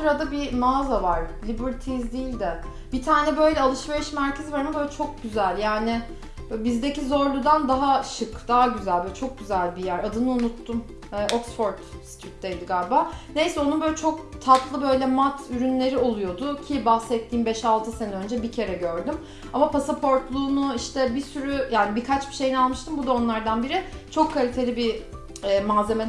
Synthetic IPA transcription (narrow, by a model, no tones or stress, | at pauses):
suɾad̪abimaːzavaɾ̥lʲibiɾt̪ʰizd̪iːlʲd̪ɛ | b̥it̪ʰaːnɛbø̞jlʲɛalˠɯʃve̞ɾiʃmæɾcʰe̞zivaɾmɛbøjlɛt͡ʃʰo̞k̚ɟyzælʲjaːnɪ | bizd̪ecizo̞ɾlˠud̪and̪aɦaʃɯkd̪̥aɦaɟyzælʲbølʲɛt͡ʃʰo̞k̚ɟyzælʲbijæɾad̪ɯnɯunut̪ʰːumː | ʔoksfo̞ɾt̪si̥t̪ʰyt̪̚d̪ejd̪iɡalʲbane̞jsɛo̞nubølʲɛt͡ʃʰo̞k̚t̪ʰat̪lˠɯbø̞jlʲɛmat̪ʰyɾynlʲe̞ɾio̞lˠujo̞d̪ʊcʰibahsɛt̪ʰːiːnbɛʃalˠt̪ʰɯsenø̞nd͡ʒɛbicʰe̞ɾɛɟø̞ɾd̪ym | amapasapʰo̞ɾt̪lˠuːnʊiʃt̪ʰɛbisyɾyjaːnibikʰat͡ʃbi̥ʃe̞jinalˠmɯʃt̪ɯmbud̪ao̞nlˠaɾd̪anbiɾɪt͡ʃʰo̞kʰːalʲit̪ʰe̞lʲibi | ɛːmaːze̞me